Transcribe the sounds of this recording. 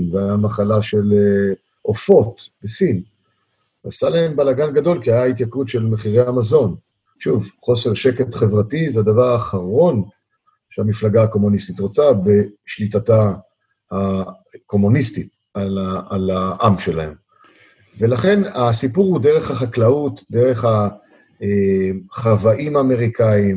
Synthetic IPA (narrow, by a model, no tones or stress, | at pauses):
nveajamaχalaʃe̞le | ʔofo̞t̪besin | asalae̞mbalaɡanɡado̞lkiajait̪jakutʃe̞lmeχiʁeamazo̞n | ʃuvχo̞se̞ʁʃeke̞tχe̞vʁatizead̪avaʁaːχaʁo̞n | ʃeamiflaɡaːko̞munist̪it̪ʁot͡sabe̞ʃlitata | ha | ko̞munistit | alaalaʔamʃe̞lahe̞m | ve̞laχe̞nasipuʁhude̞ʁe̞χhaχaklaut̪d̪e̞ʁe̞χa | eχavaʔimaːme̞ʁikʰaim